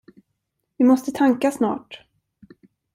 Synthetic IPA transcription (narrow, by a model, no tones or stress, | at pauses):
vɪmɔst̪ət̪ʰaŋkasnɑ̰ːʈ